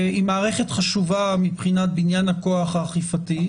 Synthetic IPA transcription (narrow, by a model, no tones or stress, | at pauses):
imaːʁeχetχaʃuvamipχinat̚binjanakoaχaːχifati